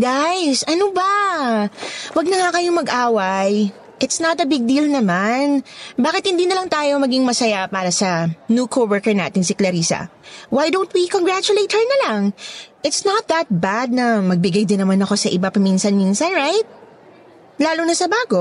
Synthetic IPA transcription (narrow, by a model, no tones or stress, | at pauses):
ɡajsʔɐnobɐ | wɐɡ̚nɐŋakɐjomɐɡʔaːwɐj | ʔɪt̪snɐt̪ɐbɪɡ̚d̪ilnɐmanbaːkɪt̪hɪ̃nd̪iːnɐlɐŋt̪aːjo̞mɐɡiŋmɐsɐjapaːɾɐsɐnukʰowɛɹkɛɹna̰ːt̪ɪŋsɪklɐɾiːsɐ̰wajd̪ownt̪̚wikoŋɡɹat͡ʃʊlejt̪̚hɛɹnɐlaŋʔɪt̪snɐt̪̚ðɐt̪̚bad̪̚nɐmɐɡ̚bɪɡajd̪ɪnːɐmanɐko̞sɐʔɪbapɐminsɐnmiːnsɐnɹajt̪̚ | laːlʊnɐsɐbaːɡo